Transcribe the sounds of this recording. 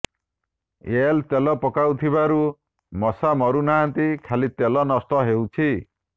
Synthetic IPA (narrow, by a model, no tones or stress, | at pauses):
elt̪elɔpɔkawt̪ʰiβaɾu | mɔsamɔɾunaːnt̪ikʰalit̪elɔnɔst̪ɔɦewt͡ʃʰi